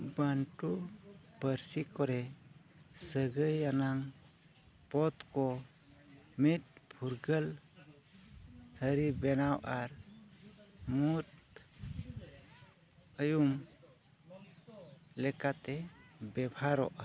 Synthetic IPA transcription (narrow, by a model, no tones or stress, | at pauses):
bəɳʈupəɾsikɔɾɛ | səɡəjːanaŋ | pɔt̪kɔ | mit̪̚pʰuɾɡəl | həɾibɛnawʔaɾ | mut̪ | əjum | lɛkat̪ɛbɛbhaɾɔ̰ʔa